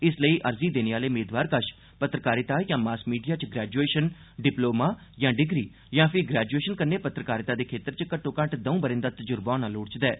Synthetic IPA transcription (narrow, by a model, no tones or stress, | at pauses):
ɪsləiːʔəɾziːd̪eːneːʋaːleːmeːd̪ʋaːɾkəʃ | pət̪ɾəkaːɾɪt̪aːjãːmaːskmiːɖijaːt͡ʃɡɾɛːd͡ʒueːʃən | ɖɪploːmaːjãːɖɪɡɾiː | jãːpʰɪɡɾɛːd͡ʒueːʃənkəɾneːpət̪ɾəkaːɾɪt̪aːd̪eːkʰeːt̪əɾt͡ʃkəʈʰːõːkə̃ɳʈd̪əũːbəɾɪ̃nd̪aːt̪əd͡ʒʊɾbãːnaːloːɽt͡ʃd̪ɛː